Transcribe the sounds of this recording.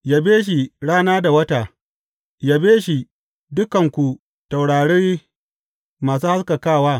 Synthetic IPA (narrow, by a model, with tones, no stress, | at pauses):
ja˦beː˦ʃ̬i˨ɽaː˦naː˦da˨wɐ˦taː˨ | ja˦beː˦ʃi˨ | dʊ˦kɐ˨ŋkʷu˨ | ta˨wɽaː˨ɽeː˦ | maː˨s̬uː˦ha˦ska˨kaː˦˨waː˦